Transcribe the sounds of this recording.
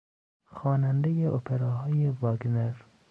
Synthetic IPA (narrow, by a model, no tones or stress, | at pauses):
xɒːnænd̪ejeʔopʰeɾɒːɦɒːjevɒɡneɾ